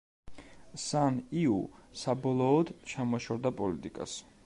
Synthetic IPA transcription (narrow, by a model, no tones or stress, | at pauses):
saniṵsabɔlˠɔːd̪t͡ʃʰamɔʃɔɾd̪apʼɔlit̪ʼikʼa̰s